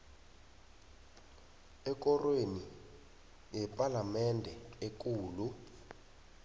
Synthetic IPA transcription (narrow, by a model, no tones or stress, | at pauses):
ɛk̬ɔrweni | jɛpʼalamɛndʱɛek̬uːlu